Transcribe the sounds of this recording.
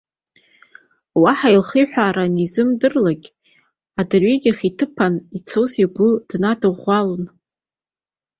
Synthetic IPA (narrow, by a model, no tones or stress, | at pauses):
waħailχijħʷᶣaːɾanizɨmdɨrlaɡʲʼ | adɨrɥiɡʲaχitʰɨpʰanit͡sʰoziɡʷʊd̥nadɨʁʷalon